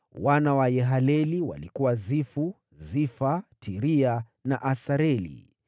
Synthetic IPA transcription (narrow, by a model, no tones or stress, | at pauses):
wanawajɛɦalɛliwa̰likuwazifu | zifatʰiɾia | na̰ʔasaɾɛlḭ